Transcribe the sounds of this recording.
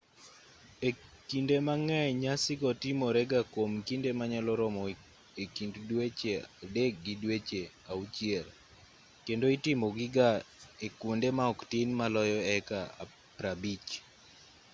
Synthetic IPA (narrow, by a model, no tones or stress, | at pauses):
ekindemaŋɛɲasɪɡɔtɪmɔɾɛɡakomkindemaɲalɔɾɔmɔ | ekinddwet͡ʃeadek̚ɡidwet͡ʃe | aut͡ʃɪɛɾ | kendoitɪmɔɡɪɡaekwondemaɔktinmalɔjɔɛkaa̰ | pɾabit͡ʃ